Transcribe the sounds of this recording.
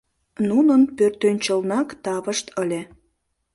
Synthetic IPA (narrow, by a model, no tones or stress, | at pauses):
nunənpørt̪ønʲt͡ɕəlnɑkt̪ɑβəʃt̪əlʲe